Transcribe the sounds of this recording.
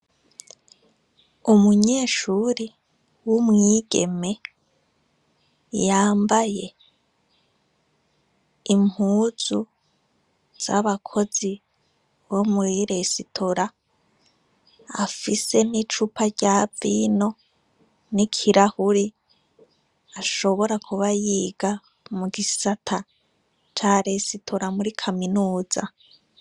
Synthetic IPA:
umuɲe̞ːʃuɾi | wumŋiːɡe̞̰me̞ | jaːmbaje̞ | im̥huːz̥u | z̥aβakʰo̞z̥i | βomuɾiɾe̞sitʰoɾa | a̰fise̞nit͡ʃupʰaɟaːvino̞ | nikʰiɾahuɾi | aʃo̞βo̞ɾakʰuβajiːɡa | muɡisatʰa | t͡ʃaɾesitʰoɾamuɾikʰaminuːz̥a

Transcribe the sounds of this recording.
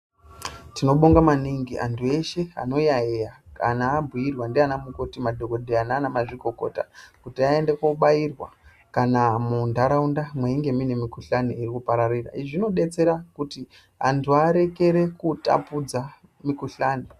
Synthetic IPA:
tino̞ɓoŋɡamaniŋɡiʔa̰ntʰue̞ʃe̞a̰no̞jaejaka̰naːbʱuirwandeanamukotimadʱo̞ko̞dʱeanaːnamaʐiko̞ko̞̰ta̰kutiae̞ndekouɓairwa̰ | kanamundaɾaundamweiŋɡe̞minemikuɬaniːrikupaɾarira̰iʐino̞ɗe̞t͡se̞ɾakuti | a̰ntʰuaɾe̞ke̞ɾe̞kuta̰pud͡za | mikuɬaːni

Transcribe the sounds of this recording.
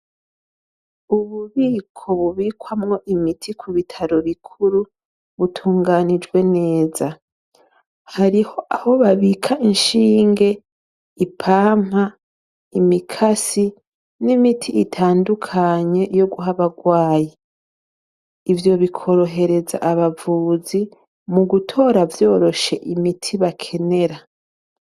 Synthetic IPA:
uβuβiːkʰo̞βuβiːkwamŋo̞ʔimitʰikʰuβitʰaɾo̞βikʰuɾu | βutʰuːŋɡanid͡ʒɡwe̞ne̞ːza | haɾiho̞ʔaho̞βaβikʰaʔinʃiːŋɡe̞ | ipʰaːm̥ha | imikʰasi | nimitʰiːtʰaːndukʰaɲe̞jo̞ɡuɦaβaɡwaːje | ivjo̞βikʰo̞ɾo̞ɦe̞ɾe̞za̰ʔaβavuːzi | muɡutʰo̞ːɾavjo̞ːɾo̞ʃe̞ʔimitʰiβakʰe̞ne̞ɾa

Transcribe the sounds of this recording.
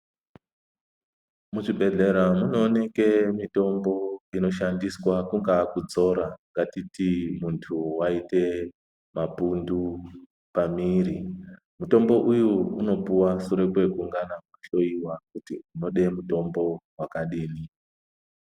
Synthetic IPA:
muʐiɓe̞ɮe̞ɾamuno̞ːne̞ke̞mito̞mbo̞ino̞ʃandiswakuŋɡakud͡zo̞ɾaŋɡatitimuntʰuwaite̞ | mapundu | pamiːɾi | muto̞mbo̞ʔujuuno̞puwasuɾe̞kwe̞kuŋɡanakaɬo̞iwakutiuno̞ɗe̞muto̞mbo̞wakaɗiːni

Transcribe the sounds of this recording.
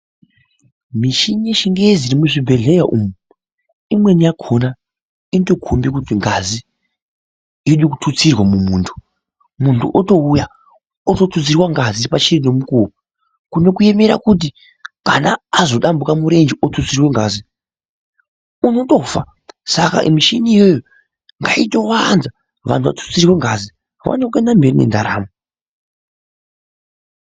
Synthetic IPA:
miʃiɲeʃiŋɡeziɾimuʐibʱe̞ɮejaʔuːmu | imwe̞nijakʰona | into̞kʰombek̬ut̬iŋɡazi | iɗikutʰut͡sirwamumuːntʰu̥ | muntʰṵʔoto̞uja | oto̞tut͡sirwaŋɡazipat͡ʃirino̞mukuːwa | kuno̞kue̞me̞ɾa̰kut̬i | kanaːzo̞ɗambukamuɾe̞nd͡ʒiʔotut͡sirweŋɡaːzi | uno̞to̞fa | saka̰ʔimiʃiniːjo̞jo | ŋɡaito̞wanza | ʋa̰ntʰuʋa̰tu̥t͡sirweŋɡazi | wa̰nokenambe̞rinḛndaɾaːmu

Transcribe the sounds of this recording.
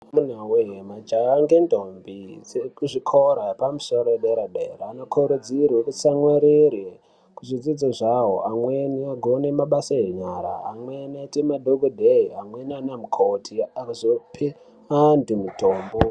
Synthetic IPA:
munauɦemad͡ʒaaŋɡendombiekuʐikʰoɾaepamuso̞ɾoeɗeɾaɗḛɾaːnokʰoɾud͡zirwekusamweɾere | kuʐid͡zid͡zaʐaɦoʔamweniaɡʱonemaɓasaeɲaɾa̰ːmwenetimadʱoɡudʱeiamwenanamukʰotʰiakazopʰe | andimutoːmbo

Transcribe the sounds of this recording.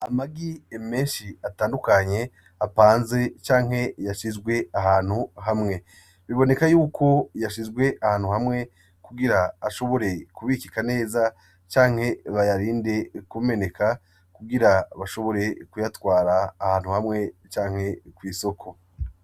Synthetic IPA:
amaɡieme̞ːnʃiataːndukaɲe̞ | apaːnze̞t͡ʃaːŋ̥he̞jaʃizɡwe̞aɦaːn̥huɦamŋe̞ | βiβo̞ne̞kajuːkʰo̞jaʃizɡwe̞ʔahaːn̥huhamŋe̞ | kuɡiɾaːʃo̞βo̞ɾe̞kuβikikane̞ːza | t͡ʃaːŋ̥he̞βajaɾiːnde̞kume̞ne̞kʰa | kuɡiɾaβaʃo̞βo̞ɾe̞kujatwaːɾaːhaːnhuhamŋe̞t͡ʃaːŋhe̞kwiːso̞kʰo̞

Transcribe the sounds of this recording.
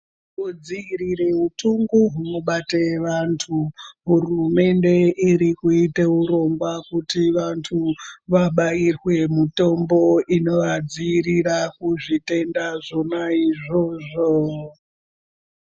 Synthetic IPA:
ud͡ziirireutuŋɡuɦuno̞ɓate̞ʋantʰuɦurume̞nde̞iɾikuite̞uɾo̞ŋɡwakutiʋantʰuʋaɓairwe̞mito̞mbo̞ino̞ʋad͡ziːrirakuʐite̞ndaʐo̞naiʐo̞ʐo

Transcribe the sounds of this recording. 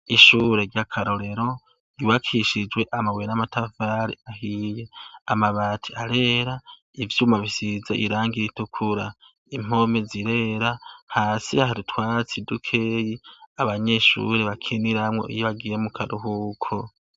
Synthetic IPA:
iʃuːɾe̞ɾɟakʰaɾo̞ɾe̞ɾo̞ | ɡ̥iβakʰiʃid͡ʒwe̞ʔamawenamatavaːɾḭahije̞amaβaːtʰi̥aɾe̞ːɾa | ivjuːmaβisizaʔiɾaːŋɡiɾitukʰuɾa | im̥o̞meziɾe̞ːɾahaːsiahaɾitwaːt͡sidukʰejiaβaɲe̞ʃṵɾe̞βakʰeniɾamŋo̞̰ʔḭjoβaɡiːjemukʰaɾuɦukʰo

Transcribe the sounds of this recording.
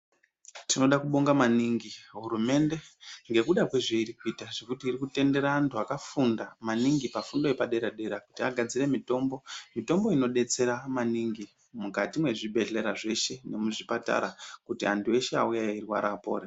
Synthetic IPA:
tino̞ɗakuɓo̞ŋɡamaniŋɡiɦuɾume̞nde̞ŋɡe̞kuɗakweʐeiɾikuitaʐ̥e̞kutiːrikute̞nde̞ɾaantʰuakafundamaniŋɡipafundo̞epaɗe̞ɾaɗe̞ɾakutiaɡʱad͡zire̞mito̞ːmbo̞mito̞mbo̞ino̞ɗe̞t͡se̞ɾamaniŋɡi | mukatimwe̞ʐibʱe̞ɮe̞ɾaʐe̞ʃe̞ne̞muʐipata̰ɾakutiantue̞ʃe̞aujairwa̰ɾapo̞̰ːɾe

